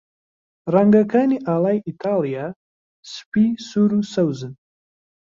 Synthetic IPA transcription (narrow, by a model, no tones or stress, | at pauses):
raŋɡakʰaːniʔaːlˠaːjʔit̪ʰaːlija | sɨ̥pisuɾusɐwzɨn